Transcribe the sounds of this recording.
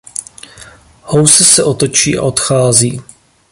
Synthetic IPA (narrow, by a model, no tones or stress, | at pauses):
howsɛsɛʔo̞t̪o̞t͡ʃiːʔa̰ʔo̞t̪xaːziː